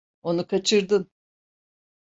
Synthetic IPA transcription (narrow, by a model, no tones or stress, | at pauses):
o̞nukʰat͡ʃʰɯɾd̪ɯn